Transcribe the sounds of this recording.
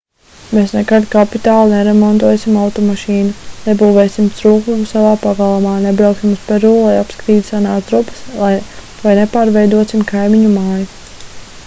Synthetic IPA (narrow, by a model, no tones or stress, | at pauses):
meːsnekad̪kapit̪aːlˠnɛɾɛmɔnt̪uɔjsimawt̪ɔmaʃiːnunɛbuːveːsimt̪sɾuːkumusavaːpaɡalˠamaːnɛbɾawksimuspɛɾuːlˠajapskɾiːd̪ʲsanaːzd̪ɾupɐ̥slˠaj | vajnɛpaːɾvɛjd̪uɔsimkajmiɲumaːju